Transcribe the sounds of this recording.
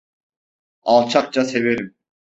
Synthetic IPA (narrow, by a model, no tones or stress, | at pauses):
ɑlˠt͡ʃʰɑq̚t͡ʃʰaseveɾim